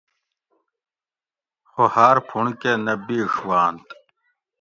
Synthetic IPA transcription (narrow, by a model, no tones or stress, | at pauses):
xohaːɾpʰuɳkenɐbiʂwaːnt̪